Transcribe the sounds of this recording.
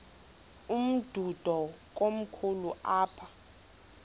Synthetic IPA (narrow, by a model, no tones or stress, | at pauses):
um̩d̥ʱud̥ʱɔk̬ʼom̩kʰuluʔaːpʰa